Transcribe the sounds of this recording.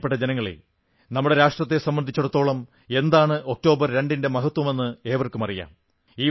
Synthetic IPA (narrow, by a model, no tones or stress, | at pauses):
peʈːɐd͡ʑenɐŋːɐɭḛ | nɐmːuɽe̞ɾaːʂʈrɐt̪ːe̞sɐmbɐnd̪ʱit͡ɕːuɽɐt̪ːo̞ːɭɐm | e̞nd̪aːɳɨʔok̚ʈo̞ːbɐrɾe̞ɳɖinde̞mɐɦɐt̪wɐme̞nːɨe̞ːʋɐrkumɐrija̰ːm | iː